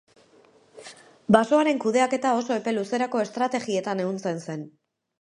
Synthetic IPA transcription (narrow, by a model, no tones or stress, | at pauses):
baso̞aɾe̞ŋkuð̞e̞ake̞t̪ao̞so̞e̞pe̞luse̞ɾako̞est̪ɾat̪e̞ɣie̞t̪ane̞unt͡se̞nse̞n